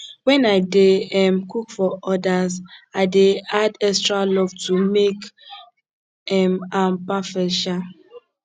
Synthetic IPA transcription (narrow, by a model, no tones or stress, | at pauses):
wɛ̃naɪdeɛmkukfɔʔɔdazaɪdeadɛstɾalɔvtumek | ɛmãnpafɛʃa